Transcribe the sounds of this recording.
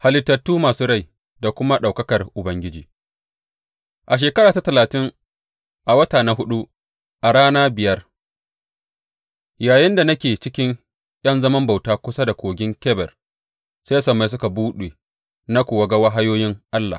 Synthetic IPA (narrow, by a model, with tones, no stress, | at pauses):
ha˨lɪ˨tːɐ˨tːuː˦maː˨suː˦ɽa˦˨j | da˨kʷʊ˦ma˦ɗa˨wkɐ˦kɐ˨rʔʊ˨bɐ˦ŋɡʲɪ˦d͡ʒiː˨ | ʔa˨ʃ̬eː˨kɐ˦ɾaː˨ta˦tɐ˨laː˨tɪ˦ŋ | ʔa˨wɐ˦taː˨na˨ɦʊ˦ɗu˦ | ʔa˨ɽaː˦naː˦bɪ˨jɐ˦r | jaː˨jɪ˦nda˨nɐ˦kʲeː˨t͡ʃɪ˦kʲɪ˦ŋ | j̰ɐ˦nzɐ˦mɐ˦mba˨wtaː˦kʷʊ˦sa˦da˨kʷoː˨ɡʲɪ˦ŋkʲɛː˦bɛ˨r | sa˦sɐ˨mːa˨js̬ʊ˦ka˨buː˦ɗeː˨ | na˦kʷuː˨wɐ˦ɡɐ˦wa˦ɦa˦joː˦jɪ˦ŋʔa˦lːa̰˨